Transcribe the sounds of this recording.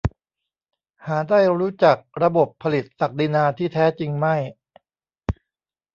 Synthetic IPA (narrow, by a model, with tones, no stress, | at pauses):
haː˩˦daː˥˩jɾuː˦˥t͡ɕa˨˩k̚ɾa˧bo˨˩pʰːa˧li˨˩t̪̚sa˨˩k̚di˧naː˧t̪ʰiː˥˩t̪ʰɛː˦˥t͡ɕi˧ŋma˥˩j